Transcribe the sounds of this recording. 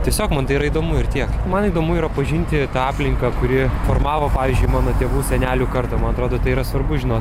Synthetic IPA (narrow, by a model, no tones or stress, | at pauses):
t̪ʲiɛsʲoːkmɐnt̪ɐɪiɾɐiːd̪oːmʊɪrt̪ʲiɛkmɐniːd̪oːmʊiːɾɐpɐʒʲɪnʲt̪ʲɪt̪ɑɑːpʲlʲɪŋkɐkʊɾʲɪfoːrmɑːʋopɑːʋʲiːzʲd͡ʒʲʊɪmɑːnoːt̪ʲeːʋuːsʲɛnʲæːlʲuːkɐrt̪ɐːmɐnɐt̪ɾoːd̪oːt̪ɐɪiɾɐsʋɐrbʊʒʲɪnoːt̪